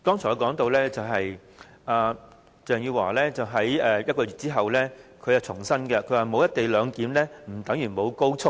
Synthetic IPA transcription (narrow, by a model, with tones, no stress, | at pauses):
t̪ɔː˥ŋt͡sʰɔː˨˩jkɔː˨˥ŋt̪o˧wlɛː˥t͡sɐ˨˩wɦɐ˨j | ʔaː˨˧ | t͡sœː˨˩ŋjiː˧waː˨˩lɛː˥t͡sɐ˨wɦɐ˨˥jɛ˨jɐ˥t̚kɔː˧jyː˨t̚t͡siː˥ɦɐ˨wlɛː˥kʰɵ˧ja˨wt͡sʰʊ˨˩ŋsɐ˥nɡɛ˧kʰɵ˨˧ɥwaː˨˩mo˨˧wjɐ˥t̪e˨jlœː˨˧ŋkiː˨˥mlɛː˥m̩˨˩t̪ɐ˨˥ŋjyː˨˩nmo˨˧wko˥wt͡sʰʊ˥k̚